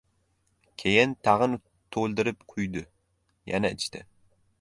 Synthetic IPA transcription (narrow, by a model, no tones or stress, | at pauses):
kʲʰejɪnt̪ʰɑʁɨn | t̪ʰolˠd̪ɪɾɪpqʰʊjd̪ʊ | ja̰næɪt͡ʃt̪ʰɪ̰